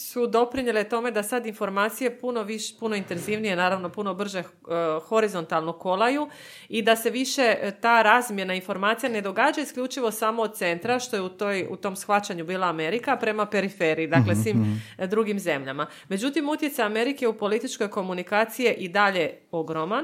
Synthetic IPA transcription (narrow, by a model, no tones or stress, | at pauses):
sud̪o̞pɾiɲelet̪o̞me̞d̪asad̪info̞ɾmaːt̪sije̞puno̞ʋiʃpuno̞int̪e̞nziʋnijenaːɾaʋno̞puno̞br̩ʒe̞ | xo̞ɾizo̞nt̪alˠno̞ko̞lˠaju | id̪ase̞ʋiʃe̞t̪aːɾaːzmje̞nainfo̞ɾmaːt̪sijane̞d̪o̞ɡaːd͡ʑaiskʎʲut͡ʃiʋo̞samo̞ːd̪̚t̪se̞nt̪ɾaʃt̪o̞jeut̪ojṵt̪o̞msxʋat͡ɕaɲubiːlˠaːme̞ɾikapɾe̞mape̞ɾifeːɾiːd̪aklesʋiːmd̪ɾuɡimze̞mʎa̰ma | me̞d͡ʑut̪imut̪je̞t̪saame̞ɾike̞upo̞lit̪it͡ʃko̞jko̞munikaːt̪sije̞ʔid̪aʎe̞o̞ɡɾo̞man